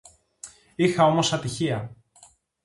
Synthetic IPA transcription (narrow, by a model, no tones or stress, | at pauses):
ixɐo̞mo̞sɐt̪içiɐ